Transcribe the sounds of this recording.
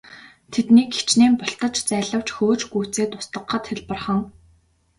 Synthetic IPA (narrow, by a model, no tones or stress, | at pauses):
t̪ʰet̪niːke̥t͡ɕneːmpɔɬt̪ə̆t͡ɕt͡sæːɮə̆w̥t͡ɕxoːt͡ɕɡuːt͡seːt̪ʊ̥st̪ə̆qːə̆t̪xeɮpə̆rχə̆ŋ